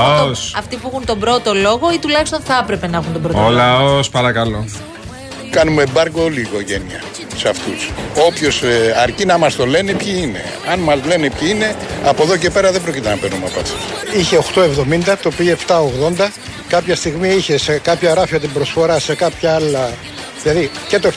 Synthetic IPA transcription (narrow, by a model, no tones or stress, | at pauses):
osɐft̪ipuexunt̪o̞bɾo̞t̪o̞lo̞ɣo̞it̪ulɐçist̪onθɐɐpɾe̞pe̞nɐexunt̪obɾoolɐospɐɾɐkɐlo | kɐnumebɐɾɡo̞liːko̞ʝe̞niɐ̰ | sɐft̪uso̞pço̞sɐɾcinɐmɐst̪o̞le̞nipçiine̞̰ | ɐnmɐzle̞nipçiine̞ɐpoðo̞ce̞pe̞ɾɐðebɾo̞cit̪enɐpeɾnumɐpɐt̪i̥içe̞o̞xt̪oe̞vðo̞mind̪ɐt̪opieft̪ɐoɣðo̞nd̪ɐ | kɐpçɐst̪iɣmiiçe̞se̞kɐpçɐɾɐfiɐt̪̬imbɾo̞sfo̞ɾɐse̞kɐpçɐɐlɐ | ðilɐðice̞t̪o